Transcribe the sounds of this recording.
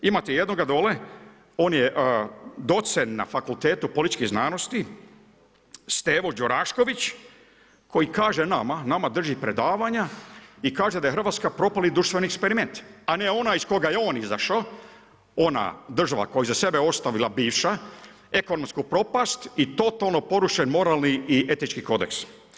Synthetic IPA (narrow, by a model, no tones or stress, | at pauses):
imat̪ejed̪noɡad̪o̞ːle | o̞ːnjeʔd̪o̞t̪senːa̰fakult̪eːt̪upo̞lit̪t͡ʃkiznaːno̞st̪i | st̪eːʋo̞d͡ʒoɾaʃko̞ʋit͡ɕ | ko̞jikaːʒenamanamad̪r̩ʒipɾe̞d̪aːʋaɲaikaːʒed̪ajexr̩ʋaːt̪skapɾo̞palid̪ɾuʃt̪ʋeniekspeɾime̞nt̪ane̞o̞naisko̞ɡajeo̞ːnizaʃa | o̞na̰d̪r̩ʒaʋa̰kojizase̞beo̞st̪aʋilˠabiːʋʃa | e̞ko̞nomskupɾo̞past̪it̪o̞t̪alˠno̞po̞ɾuʃenmo̞ɾalˠniːe̞t̪nit͡ʃkiko̞d̪eks